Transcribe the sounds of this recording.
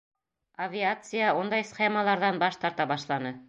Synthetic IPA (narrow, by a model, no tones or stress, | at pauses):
avʲiat̪sɨjaund̪ɑjsχemɑlˠɑɾðɑnbɑʃt̪ɑɾt̪ɑbɑʃlˠɑnɤ